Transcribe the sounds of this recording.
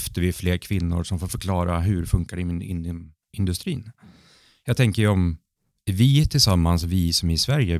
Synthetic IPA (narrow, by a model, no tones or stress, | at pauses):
ft̪əɾvɪfleːɾkʰvɪnːʊ̰ɾʂɔmfoːɾfœɾkʰlɑːɾaɦɵɾfɵŋkaɖɛɪmɪnɪ | ɪnd̪ɵst̪ɾiːn | jɑːt̪ʰɛŋkəɾɔm | vɪt̪ʰɪlsamːansvɪsɔmɪsvæɾjə